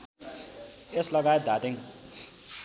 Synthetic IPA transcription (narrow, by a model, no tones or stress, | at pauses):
eslʌɡaet̪̚d̪at̪eŋ